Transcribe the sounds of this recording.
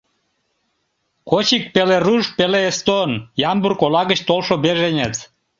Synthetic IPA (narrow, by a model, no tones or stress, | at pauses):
kot͡ɕik̚peleɾuʃpeleest̪onjɑmburkolɑɣət͡ɕt̪olʃobeʒenʲet͡s̪